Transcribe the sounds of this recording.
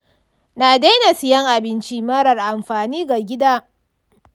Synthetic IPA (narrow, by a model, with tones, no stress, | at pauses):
naː˨da˦na˨sɪ˨jɐ˦ŋʔa˨bɪ˦nt͡ʃi˦mɐ˦ɽɐ˨rʔa˨mɸaː˨niː˦ɡa˨ɡʲɪ˦daː˦